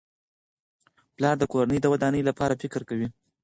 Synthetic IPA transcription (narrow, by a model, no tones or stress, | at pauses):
plɑɾd̪əkoɾanəjd̪əwad̪ɑnəjlapɑɾafɪkɾkawi